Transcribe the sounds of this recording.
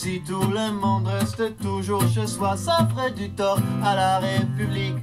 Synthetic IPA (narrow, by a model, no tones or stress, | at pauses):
sit̪uləmɔ̃d̪ʁɛst̪ət̪uʒuʁʃəswasafʁɛd̪yt̪ɔʁalaʁepyblik